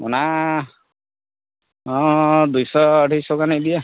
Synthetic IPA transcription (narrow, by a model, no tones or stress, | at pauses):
ɔ̰na | ɔ̃d̪ujsɔːʈijsɔkanid̪ija